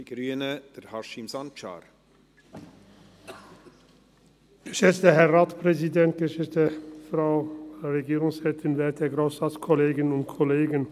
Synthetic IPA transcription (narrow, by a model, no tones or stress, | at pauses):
ɡ̥ɾyːənəd̥ɛɾhɑʃimzɑnt͡ʃɑ̰ːɾ | ɡ̥əʃɛt͡stəɦɛɐʁaːtpʁ̥ɛzidɛnt̚ɡ̥əʃɛt͡stəfʁaʊʁeɡiːʁʊŋsʁɛːtʰɪnvɛːt̚deɐɡʁoʊsat͡skʰɔleːɡɪnʊntkʰɔleːɡən